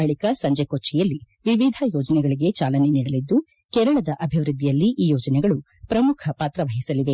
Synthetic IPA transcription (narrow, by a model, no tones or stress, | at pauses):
ɐɭikɐsɐɲd͡ʒekoːt͡ʃːɛjɐlːi | ʋiʋid̪ʱɐjɔːd͡ʒɐnɛɡɐɭiɡe̞t͡ʃaːlɐneniːɽɐlid̪ːu | kɛːɾɐɭɐd̪ɐʔɐbʱiʋɾɨd̪ʱːijɐlːiʔiːjɔːd͡ʒɐnɛɡɐɭu | pɾɐmukʰɐpaːt̪ɾɐʋɐɦisɐliʋe